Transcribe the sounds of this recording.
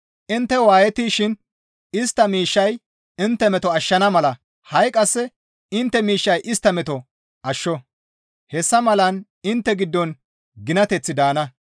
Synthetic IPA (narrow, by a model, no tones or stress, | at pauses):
ʔɪnt̪ːɛwaːjɛt̪iːʃɪn | ɪst̪ːɐmiːʃːɐj | ɪnt̪ːɛmɛt̪ɔɐʃːɐnɐmɐlɐ | hɐjkʼɐsːɛ | ɪnt̪ːɛmiːʃːɐjʔɪst̪ːɐmɛt̪ɔ | ʔɐʃːɔ | hɛsːɐmɐlɐn | ɪnt̪ːɛɡɪd̪ːɔn | ɡɪnɐt̪ɛt͡sːɪd̪aːnɐ